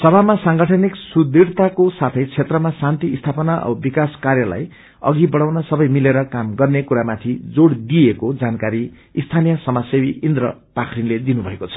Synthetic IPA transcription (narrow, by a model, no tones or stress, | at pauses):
sʌbʱamasaŋɡʌʈʰʌniksud̪iɽt̪akosat̪ʰʌjt͡sʰet̪rʌmasant̪iːst̪ʰapʌnaʌ̰bikaskarjʌla̰j | ʌ̰ɡibʌɽawnʌsʌbʌjmileɾʌkamɡʌrnekuɾamat̪ʰid͡zoɽd̪ijekod͡zankaɾi | ist̪ʰanijʌsʌmasebiʔind̪rʌ̰pakʰrinled̪inubʱʌekot͡sʰʌ̥